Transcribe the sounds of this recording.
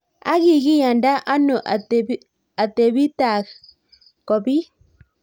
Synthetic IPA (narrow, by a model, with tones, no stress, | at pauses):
a̰˦ɣi˦˨ɣi˦ja˨nda˦ʔa˦no˨ʔa˨t | a˨t̪e˨βi˦t̪a˨ | kɔ˨bi˦